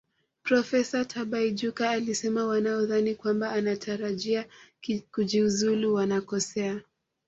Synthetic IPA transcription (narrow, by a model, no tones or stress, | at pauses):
pɾɔfɛsatʰaɓaid͡ʒukaːlisɛmawanaɔðanikwambaːnatʰaɾaʄiakud͡ʒiuzuluwanakɔsɛa